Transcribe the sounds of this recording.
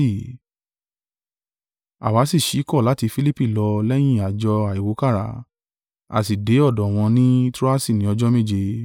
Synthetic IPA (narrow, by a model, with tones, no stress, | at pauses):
i˦˨ | a̰˨wa˨˦si˦˨ʃi˨˦kɔ˦˨la˨˦ti˧fi˦li˦pi˦˨lɔ˧lɛ˦j̃ĩ˦˨a˨d͡ʒɔ˧a˨i˨wo˨˦ka˦˨ɾa̰˨˦ | a̰˨s̬i˨de˨˦ɔ˦˨dɔ˨w̃ɔ̃˧nĩ˦tɾu˦a˦si˦˨nĩ˨˦ɔ˧d͡ʒɔ˦mẽ˦˨d͡ʒe˧